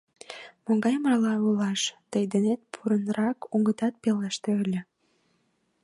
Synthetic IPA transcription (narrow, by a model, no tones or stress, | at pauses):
moŋɡɑjmərlɑulɑʃt̪əjd̪enet̪̚pʰuɾənɾɑkuŋɡət̪ɑt̪̚pelɑʃt̪eølʲĕ